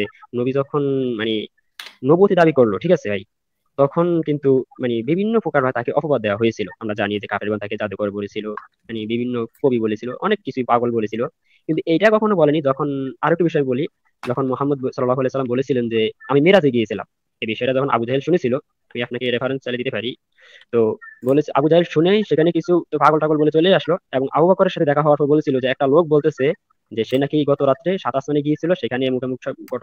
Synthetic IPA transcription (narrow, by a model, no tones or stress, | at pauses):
enobid͡ʑɔkʰonmane | nobuot̪id̪abikoɾloʈʰikasʰebʱaj | t̪ɔkʰonkint̪umanebibʱinːopɾokaɾbʱaet̪akeʔɔpobad̪d̪ɛwaɦojet͡ɕʰiloamɾad͡ʑanied͡ʑekafeɾɡɔnt̪aked͡ʑad̪ukɔɾeboɾet͡ɕʰilo | manibibʱinːokobibolet͡ɕʰiloʔɔnekːit͡ɕʰupaɡolbolet͡ɕʰilo | kint̪uejʈakɔkʰonobɔlenid͡ʑɔkʰonaɾɔek̚ʈːubiʃɔjiboli | d͡ʑɔkʰonmoɦamːod̪̚sɔlːlaɦualejsalːambolet͡ɕʰilend͡ʑeamimeɾad͡ʑeɡijet͡ɕʰila̰m | ebiʃɔeɾad͡ʑɔkʰonʔa̰bud͡ʑaɦilʃunet͡ɕʰilo | amiapnakeɾepʰaɾenst͡ɕaled̪it̪epaɾi | t̪obolea̰bud͡ʑaɦilʃuneʃekʰanekit͡ɕʰut̪opaɡolʈaɡolbolet͡ɕoleaʃloeboŋa̰bubakoɾeɾʃat̪ʰed̪ɛkʰaɦɔaɾpɔɾbolet͡ɕʰilod͡ʑeɛk̚ʈalok̚bolt̪et͡ɕʰe | d͡ʑeʃenakiɡɔt̪oɾat̪ːɾeʃat̪ast̪aneɡijet͡ɕʰiloʃekʰanemukʰemukʃɔɡɔ